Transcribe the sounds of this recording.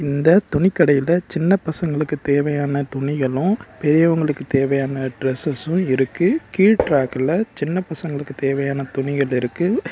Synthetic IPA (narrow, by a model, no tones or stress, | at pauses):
ɪnd̪ɐt̪ʊɳɪkːɐɽɐjɪlɐt͡ʃɪnːɐpɐsɐŋɡɐɭɯkːɯt̪eːʋɐjaːnɐt̪ʊɳɪɣɐɭʊ̃pɛɾɪjɐʋɐŋɡɐɭɯkːɯt̪eːʋɐjaːnɐɖɾɛsɐsʊ̃ɪɾɯkːɯkiːʈɾaːkɪlɐt͡ʃɪnːɐpɐsɐŋɡɐɭɯkːɯt̪eːʋɐjaːnɐt̪ʊɳɪɣɐɭɪɾɯkːɯ